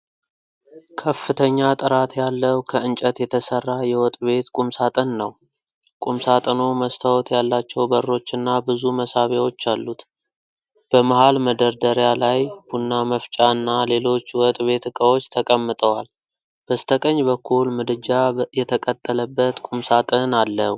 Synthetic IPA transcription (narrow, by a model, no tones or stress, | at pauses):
kʰəfːɨt̪ʰəɲːat̪ʼɨɾat̪jalːəwkʰəɨnt͡ʃʼət̪jɛt̪ʰəsərːajɛwɔt̪ʼβe̞t̪kʼumsat̪ʼənːəw | kʼumsat̪ʼəno̞məst̪ʰawɔt̪jalːat͡ʃːɛwbərːo̞t͡ʃːɨnːabɨzuməsaβewo̞t͡ʃːalːut̪ | b̥əmahalməd̪əɾd̪əɾjalajb̥unːaməft͡ʃʼaɨnːale̞lo̞t͡ʃːwɔt̪ʼβe̞t̪ɨkʼəwo̞t͡ʃːt̪ʰəkʼəmːɨt̪ʼəwal | b̥əst̪ʰəkʼəɲːbəkʰːulmɨd̪ɨd͡ʒajɛt̪ʰəkʼət̪ʼːələbːət̪kʼumsat̪ʼɨnalːəh